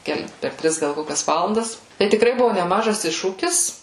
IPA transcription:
ˈkʲɛlˠ pʲɛr ˈtʲrʲɪs ˈɡɐlˠ ˈkoːkʲɛs ˈʋɑːlˠɐndɐs tɐɪ tʲɪkˈrɐɪ ˈbʊʋoː nʲɛˈmɑːʒɐs ˈɪʃʃuːkʲɪs

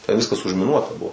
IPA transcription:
tʲɛnʲˈʋʲɪskɐs ʊʒʲmʲɪˈnuɔtɐ ˈbʊʋoː

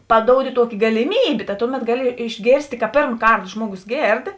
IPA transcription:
pɐˈdoːʊdʲɪ ˈtuɔkʲɪ ɡɐlʲɪˈmʲiːbʲeː tɐ ˈtʊˌmʲɛt ˈɡɑːˌlʲɪ ɪʒʲˈɡʲeːrʲsʲtʲeː kɐ ˈpʲeːrm ˈkɐrt ˈʒmuɔɡʊs ˈɡʲeːrt

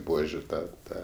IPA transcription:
ˈbuɔʒʲʊ ˈtɐ ˈtɐ

